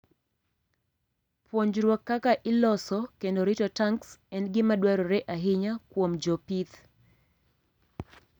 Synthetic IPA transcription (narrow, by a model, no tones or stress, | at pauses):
pwoɲd͡ʒɾwɔkːakaʔɪlɔsɔkendoɾɪtɔtaŋksɛnɡɪmadwaɾɔɾɛʔaɦɪɲakwomd͡ʒɔpit̪